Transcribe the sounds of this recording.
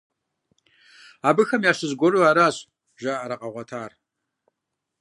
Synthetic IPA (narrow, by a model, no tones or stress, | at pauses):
aːbɨxɐmjaːɕɪzɡʷɔruaːɾaːɕʼ | ʒaːʔaɾɐqʼɐʁʷɐtʰaːr